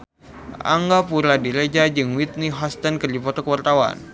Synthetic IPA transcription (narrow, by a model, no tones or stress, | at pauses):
ʔa̰ŋɡapuɾadiɾed͡ʒad͡ʒɨŋwit̪̚niɦɔst̪ankɨrdipɔt̪ɔkəwart̪awa̰n